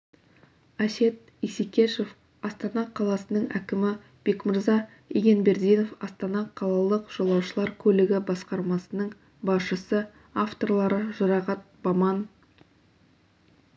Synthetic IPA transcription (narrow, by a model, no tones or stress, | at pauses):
æʃe̞t̪̚ | isikʲeʃo̞f | ɑst̪ɑnɑqʰɑlˠɑsənəɴʔækʲɪmɪ | b̥e̞kmɪɾzɑ | eɡʲe̞nbe̞ɾd̪ijno̞fɑst̪ɑnɑqʰɑlˠɑlˠəqʒ̥olˠɑwʃəlˠɑɾkʲʰɵlɪɡʲɪbɑsqɑɾmɑsənəɴ | bɑsʃəsə | aft̪o̞rlˠɑɾəʒʊɾɑʁɑt̪̚bɑmɑn